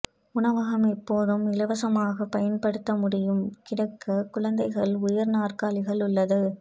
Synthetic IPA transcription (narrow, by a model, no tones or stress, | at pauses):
ʊɳɐʋaːɣɐmɛpːoːðɯmɪlɐʋɐsɐmaːɣɐpɐjɐnpɐɽɯt̪ːɐmʊɽɪjɯmkɪɽɐkːɐkʊɭɐnd̪ɐɪɣɐɭʊjɐɾnaːrkaːlɪɣɐɭʊɭːɐðɯ